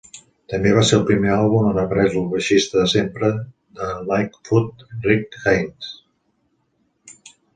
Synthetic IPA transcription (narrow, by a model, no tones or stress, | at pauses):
t̪əmbeβ̞aseəlˠpɾimealˠβumənəpɾɛzulˠβəʃist̪əðəsempɾə | d̪əlajkfut̪̚rikɣejns